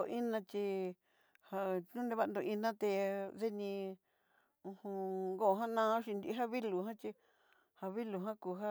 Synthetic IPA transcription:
o˧ʔi˦nã˧t͡ʃi˧ | ha˧ũ˦ne˧βa˧nd̪o˧i˧nã˦t̪e˧ðe˦nĩ˧ | ũ˧hũ˧ŋɡo˦˨˧ɦã˦nã˦ʃi˧nd̪i˧˦ɦa˦βi˦lu˨ɦã˦t͡ʃi˧ | ha˧βi˦lu˨ɦã˦ku˨˧ɦa˦

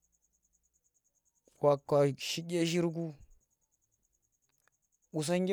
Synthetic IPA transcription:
wa˨kːa˨ʃi˦ɡʲe˦ʃi˦ɾɡ̬u˦ | ɓu˨s̬a˦ŋɡʲ

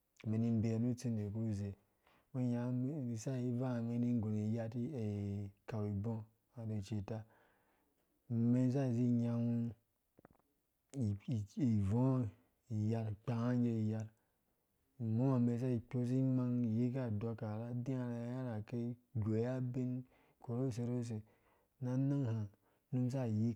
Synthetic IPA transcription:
me˨ni˧˦m˦be˨nu˦t͡si˦˧ne˨ku˦˨ze˨ | we˦ɲa˨˦i˨sa˦i˦va˦˨me˧ni˦ɡo˨ne˨ja˧ti˦e˨ka˨wi˨bõ˦ | a˨de˨t͡ʃe˨ta˧˨ | me˦n˦z̬a˦˨zi˦ɲa˧nu˦˨ | i˨võ˦ | i˨ja˧lk͡pa˨ha˦ŋ˦ɡe˧i˨ja˧l | mõ˦a˨me˧˦s̬a˦i˨k͡po˦s̬i˦ma˧ŋ˨ji˦ka˦˨dɔ˧ka˨ɾa˦di˦a˨ɾa˨˦ja˦ɾa˨ke˦ɡo˨˦ja˦be˦n | ko˨ɾo˦˨s̬e˧˨ɾo˦s̬e˨ | na˦na˦ŋha˨ | nu˦msa˦˨ji˦

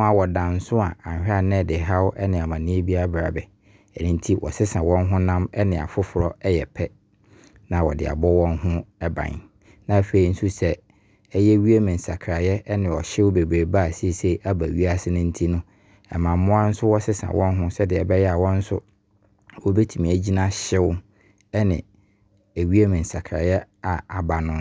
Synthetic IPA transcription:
ʊ̃˦a˨wɔ˨dã˨n̩˦sʊ˦a˨ã˨hᶣɪ˦a˦˨nɛ̃˦˨dɪ˨ɦa˦wʊ˦ʔɛ˦nɪ̃˨a˨mã˨nĩ˦e˦bi˦a˦bɾa̰˨bɛ˨ | ɛ˨nɪ̃˦n̩˦tʰi˦wʔɔ̰˨sɪ˦sã˨wɔ̃˦nɦʊ̃˦nã˦mɛ˦nɪ̃˨a̰˨fʊ˦fʊ˨ɾɔ˦ɛ˦jɛ˨pʰɛ˦ | nã˨wɔ̰˨dɪ̰˨a̰˨bɔ˦wɔ̃˦nɦʊ̃˦ɛ˦bã̰˨n | nã˦fe˨i˨n̩˦su˦sɛ˦ | ɛ˦jɛ˦ɥi˦e˦mɪ̃˨n̩˨sa˨kʰɾa˨jɛ˦nɪ̃˨ɔ˨ɕɪ˦wʊ˦be˨bɾe˨ba˦˨si˦e˨se˦i˨ʔa˦ba˨ɥi˦a˦sɪ˦nʊ̃˦n̩˦tʰi˦nʊ̃˦ | ɛ̰˨mã˨m˦mʊ̃˦a˦n̩˦sʊ˦wɔ˦sɪ˦sã̰˨wʔɔ̃˦nɦʊ̃˦sɛ˦dɪ˨ɛ˨bɛ˦jɛ˦a˨wɔ̃˦n̩˦sʊ̰˦ | wɔ˦be˦tʰu˨mĩ˨æ˨d͡ʑi˦nã˦ɕɪ˦wʊ˦ | ɛ˦nɪ̰̃˨ | æ˨ɥi˦a˦mɪ̃˨n̩˨sa˨kʰɾa̰˨jɛ˦ | a˨a˨ba˨nʊ̃˦

